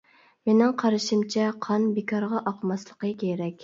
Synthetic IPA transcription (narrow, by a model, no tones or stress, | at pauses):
menɪŋqʰɑɾɨʃimt͡ʃʰɛqʰɑnbekʰɑɾʁɑʔɑqmɑslˠəqəkʲʰeɾɛkʲ